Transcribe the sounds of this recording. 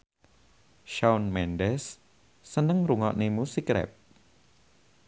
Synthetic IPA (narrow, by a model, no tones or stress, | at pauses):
ʃawnmɛndɛsː | ənəŋruŋɔ̰ʔnemusikɾɛ̰p̚